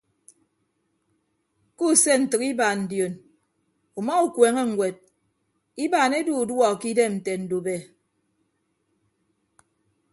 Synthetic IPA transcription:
ku˦˨se˦n̩˨tɨ˨ki˦baː˨n̩˨djo˨n | u˨ma˦u˨kweː˨ŋe˦ŋ̩˨ɡwe˨d̚ | i˦ba˨ne˦du˦u˨dwɔ˦˨ki˦de˦˨n̩˨te˨n̩˨du˨be˨

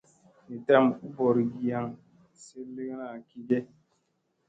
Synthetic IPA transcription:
ne˨ta˦˨mu˦bɔ˨ɾɡi˨ja˦ŋ | se˦le˦ŋ˦na˦˨ki˦ɡe˦

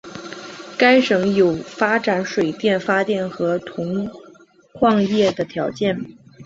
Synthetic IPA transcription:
ka˥ɪʂɤ˧˥ŋjo˨˩ʊfa˥ʈ͡ʂa˨˥nʂwe˨˩ɪt̪jɛ˥˩nfa˥t̪jɛ˥˩nxɤ˧˥t̪ʰʊ˧˥ŋ | kʰwɑ˥˧ŋjɛ˥˩d̪ə˩t̪ʰjɑ˧˥ʊt͡ɕjɛ˥˩n

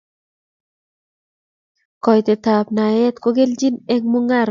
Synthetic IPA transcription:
kɔ˨jt̪e˨t̪a˨pna˨jɛ˦t̪ko˦ɡe˦ld͡ʒi˦ne˦ŋmu˦ŋa˦˨ɾ

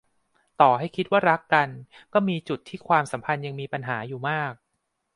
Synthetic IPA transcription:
t̪ɔː˨˩ha˥˩jkʰi˦˥t̪̚waː˥˩ɾa˦˥kːa˧nkɔː˥˩miː˧t͡ɕu˨˩t̪ʰːiː˥˩kʰwaː˧msa˩˦mpʰa˧nja˧ŋmiː˧pa˧nɦaː˩˦juː˨˩maː˥˩k̚

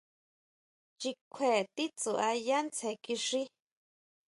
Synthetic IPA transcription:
t͡ʃi˧kʷʰe˨t̪i˦t͡su˨ʔa˧ja˦nt͡sʰe˨ki˧ʂi˦

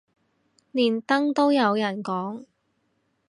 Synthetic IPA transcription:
liː˨˩nt̪ɐ˥ŋt̪o˥wjɐ˨˧wjɐ˨˩nkɔː˨˥ŋ

